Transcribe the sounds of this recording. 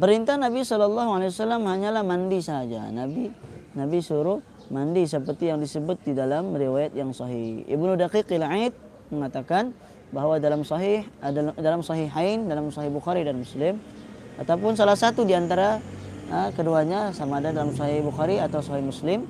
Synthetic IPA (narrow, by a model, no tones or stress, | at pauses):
pəɾint̪anabisɔlɔlːɑɦualaewasalːamhaɲalahmandisaɦad͡ʒa̰nabinabisuɾʊ | mandisəpərt̪ijaŋdisəbʊt̪̚didalamriwajat̪̚jaŋsɔɦihḭbnudaqikɪlʕit̪̚ | məŋat̪akan | baɦwadalamsɔɦihdalamsɔɦiɦajndalamsɔɦihbuxaɾidanmuslɪmat̪awpʊns̬alahsat̪udiant̪aɾaəkəduaɲasamaːdadalamsɔɦɪhbuxaɾiat̪awsɔɦihmuslɪm